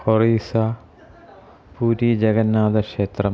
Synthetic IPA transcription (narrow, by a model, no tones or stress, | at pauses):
horiːsa | puːɾid͡ʑeɣɐnːaːd̪ɐkʂeːt̪rɐ